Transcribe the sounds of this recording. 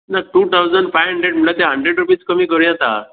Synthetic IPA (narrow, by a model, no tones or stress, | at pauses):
naʈut̪ʰawd͡zəɳɖpajɦəɳɖɾeɽm̤əɭat̪eɦəɳɖɾeɖɾupiːt͡skəmiːkəɾjãt̪a̰